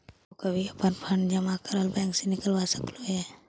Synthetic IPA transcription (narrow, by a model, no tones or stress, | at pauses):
okəbʱiəpənpʰəɳɖd͡ʒəmakəɾəlbɛ̃ːŋksenɪkəlʋasəkloɦɛː